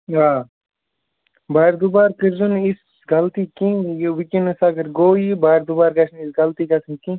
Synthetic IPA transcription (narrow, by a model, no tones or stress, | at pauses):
ɦaː | baːɾd̪ubaːɾkəɾzunis | ɡɐlt̪ikĩjwikinusaɡəɾɡoːibaːɾd̪ubaːɾkɐʃʰnisɡɐlt̪iːkɐsinkĩ